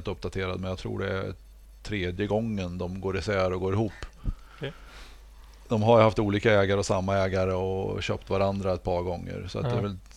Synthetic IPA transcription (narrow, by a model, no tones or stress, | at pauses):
lt̪ɵp̚ːd̪at̪ʰeːɾad̪mɛnjat̪ʰɾṵːɖɛæ̰ | t̪ʰɾeːd̪jəɡɔŋːənd̪ɔmɡoːɾɪsæːɾɔɡoːɾɪhuːpː | d̪̥ɔmɦaɾjhaft̪uːliːkaɛːɡaɾəɔsamːaɛːɡaɾəɔɕø̰ːpt̪vaɾand̪ɾaɛt̪̚pʰɑːɾɡɔŋːə̰ɾsɔ̰a̰t̪̚d̪ɛːɾvɛl